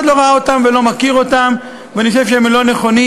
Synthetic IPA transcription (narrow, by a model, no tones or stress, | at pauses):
d̪lo̞ʁaao̞t̪amve̞lo̞makiʁo̞tam | veaniχoʃe̞vʃeemlo̞ne̞χo̞ni